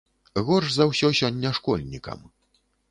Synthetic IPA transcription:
ɣɔrʐzɐwsʲɔsʲɔnʲːɛʂkɔlʲnʲikɐ̰m

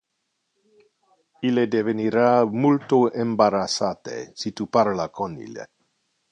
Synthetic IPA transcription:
iled̪eveniɾamult̪oembaɾasat̪ḛsit̪upaɾlakʰonḭlḛ

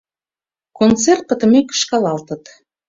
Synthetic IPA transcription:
kont͡sert̪̚pə̆t̪ə̆mekə̥ʃkɑlɑlt̪ə̆t̪

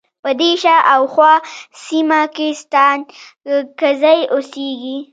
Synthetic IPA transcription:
pəd̪eʃaʔawxwɑsimakest̪ɑnkazajʔoseɡi

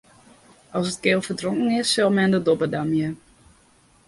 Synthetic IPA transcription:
ʔɔsətkeːlˠfərdroŋkən̩ɪsːɔlˠmɛndədɔbədamjə

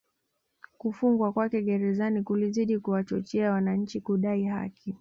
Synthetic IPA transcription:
kufuŋɡwakwakɛɠɛɾɛzanikuliziɗikuwat͡ʃɔt͡ʃɛawanaɲ̩t͡ʃikuɗaiɦa̰ki

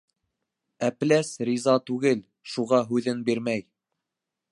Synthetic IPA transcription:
æplæsɾizɑt̪ʉɡɘl | ʃuʁɑɦʉðɘnbiɾmæj

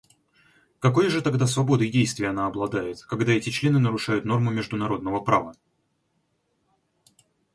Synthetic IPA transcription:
kɐko̞jʐɨt̪ɐɡd̪asvɐbo̞d̪ɨjdʲejst̪vʲɪjəɐnaɐblˠɐd̪ajɪt̪kɐɡd̪aɛtʲɪt͡ɕlʲe̞nɨnəɾʊʂajʊt̪no̞rmʊmʲɪʐd̪ʊnɐɾo̞d̪nəvəpɾavə

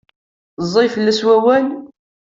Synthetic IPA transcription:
zˤːifəlːæswæwæl

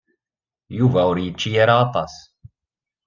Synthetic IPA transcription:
juvæʊɾjət͡ʃːijæɾæːt̪ˤɑs

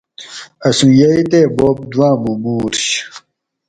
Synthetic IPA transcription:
ɐsũjɐit̪eːboːp̚d̪wãːmumuːɾɕ

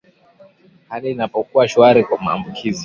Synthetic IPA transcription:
haliːnapɔkuaʃuaɾikwama̰ːmbukʰizi

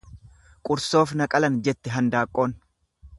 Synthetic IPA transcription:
kʼʊɾso̞ːfnɐkʼɐlɐnd͡ʒɛt̪ːɛɦɐnd̪aːkʼːo̞ːn

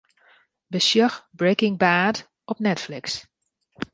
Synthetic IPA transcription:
bəsjɔxbɹekɪŋbaːd | ɔpnɛtflɪks

